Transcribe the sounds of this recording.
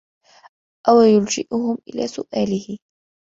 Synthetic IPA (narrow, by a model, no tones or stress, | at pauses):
ʔawajʊld͡ʒɪʔʊhʊmʔɪ̰la̰ːsʊ̰ʔaːlɪhɪ